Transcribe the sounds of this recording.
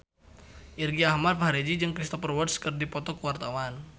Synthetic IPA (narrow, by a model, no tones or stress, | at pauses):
ʔirɡiahmad̚faɾed͡ʒid͡ʒɨŋkɾist̪ɔpərwərdskɨrdipɔt̪ɔkəwart̪awan